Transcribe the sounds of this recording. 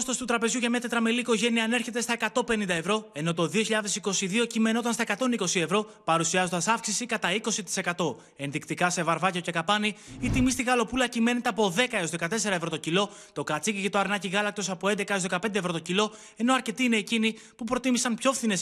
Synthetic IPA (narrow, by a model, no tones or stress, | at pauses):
st̪ost̪ut̪ɾɐpe̞zʝuʝɐmɐt̪et̪ɾɐmeliːko̞ʝe̞niɐːne̞ɾçe̞t̪e̞st̪ɐe̞kɐt̪o̞pe̞nind̪ɐe̞vɾo̞e̞no̞t̪o̞ðio̞çiʎɐðe̞siko̞siðio̞cime̞no̞t̪ɐnstɐekɐt̪o̞niko̞sie̞vɾo̞pɐɾusiɐzo̞nd̪ɐsɐfksisikɐt̪ɐiko̞sit̪i̥se̞kɐt̪o̞ | e̞nðikt̪ikɐse̞vɐɾvɐceoce̞kɐpɐniit̪imist̪iɣɐlo̞pulɐcime̞net̪eɐpo̞ðe̞kɐeo̞zðekɐt̪e̞s̬e̞ɾɐevɾo̞t̪o̞cilo̞ | tt̪o̞kɐt͡sicicet̪oɐɾnɐciɣɐlɐk̚t̪o̞sɐpoend̪e̞kɐezðekɐpe̞nd̪evɾo̞t̪o̞cilo̞ | e̞no̞ɐɾce̞t̪iːne̞ːcini | pupɾo̞t̪imisɐnpço̞fθine̞s